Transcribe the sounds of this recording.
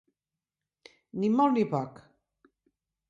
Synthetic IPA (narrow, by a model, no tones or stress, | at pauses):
nimɔlnipɔk